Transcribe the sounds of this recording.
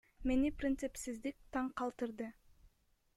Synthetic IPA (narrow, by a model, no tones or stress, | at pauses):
me̞niprʲɪnt̪sɨpsizd̪ik̚t̪ɑɴqɑlˠt̪ɯɾd̪ɯ